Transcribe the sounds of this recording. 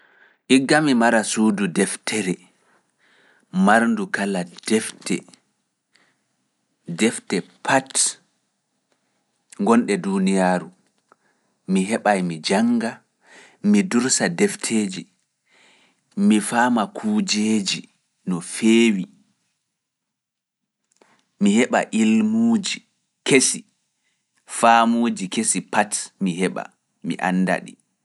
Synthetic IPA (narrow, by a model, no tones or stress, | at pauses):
ʔiɡːamimaɾasuːdudɛftʰɛɾɛ | maɾndukalad̥ɛftɛ̰ | dɛftɛpʰat | ŋɡɔnɗɛdunijaːɾu | miɦɛɓajmid͡ʒaŋɡa | miduɾsadɛftʰeːd͡ʒi | mifaːmakʰuːd͡ʒeːd͡ʒi | nɔfeːwi | mihɛɓa̰ʔilmuːd͡ʒi | kesi | famuːd͡ʒikesipatmiɦɛɓa̰ | mḭʔa̰nːda̰ɗḭ